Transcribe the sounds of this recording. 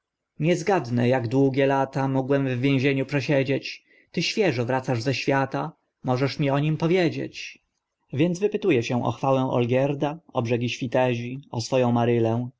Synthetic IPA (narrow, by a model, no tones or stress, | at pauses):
ɲɛzɡad̪nɛjaɡd̪wuɡʲjɛlat̪amɔɡwɛmvːʲjẽʑeɲupʂɛɕed͡ʑet͡ɕ | t̪ɘɕfʲjɛʐɔvɾat̪saʐzɛɕfʲjat̪a | mɔʐɛʂmʲiɔɲimpɔvʲjed͡ʑḛt͡ɕ | vʲjɛnzvɘpɘt̪ujɛɕɛ̃ʔɔ̰xfawɛ̃w̃ʔɔ̰lɡʲjɛɾd̪aɔbʐɛɡʲiɕfʲit̪ɛʑiɔsfɔjɔ̃w̃maɾɘlɛ̃